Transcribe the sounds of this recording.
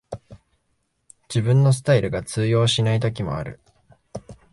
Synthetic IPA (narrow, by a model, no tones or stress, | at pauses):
d͡ʑibɯ̟̃nːo̞s̬ɨ̥t̪aiɾɯ̟ɡat͡sɨːjo̞ːɕinait̪o̞k̬ʲimo̞̰a̰ɾɯ̟̰